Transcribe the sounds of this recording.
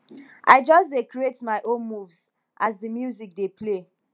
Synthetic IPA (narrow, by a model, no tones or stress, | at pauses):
ʔa̰ɪd͡ʒɔsdekɹietmaɪʔõnmuvs | ʔazdəmjuzik̚deple